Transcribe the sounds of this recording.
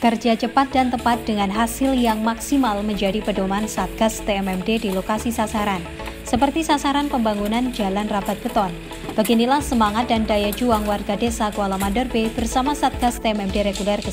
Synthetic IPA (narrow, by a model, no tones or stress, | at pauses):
kərd͡ʒat͡ʃəpat̪̚dant̪əpat̪̚d̥əŋanɦasɪljaŋmaksimalməɲd͡ʒadipədomaansat̪̚ɡ̥ast̪eɛmɛmdedilokasisasaɾan | səpərt̪isasaɾanpəmbaŋunand͡ʒalanrab̥at̪̚b̥ət̪ɔn | b̥aɡinilahsəmaŋat̪̚dandajad͡ʒuaŋwarɡadesakualamandɔrbeb̥ərsamasat̪̚ɡ̥ast̪eɛmɛmdeɾeɡulɛrkə